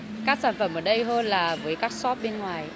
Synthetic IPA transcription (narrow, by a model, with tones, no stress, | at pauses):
kaː˦˥k̚saː˧˩nfə˧˩mʔəː˧˩ɗə˧jɦəː˧nlaː˨˩vəː˨˦jkaː˦˥k̚sɔ˦˥p̚ɓe˧nŋwaː˨˩j